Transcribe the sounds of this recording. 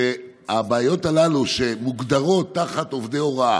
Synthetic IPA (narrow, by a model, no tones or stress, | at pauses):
e | abaːjo̞t̪alaluʃe̞muɡd̪aʁo̞t̪ːaχat̪o̞vd̪eo̞ʁa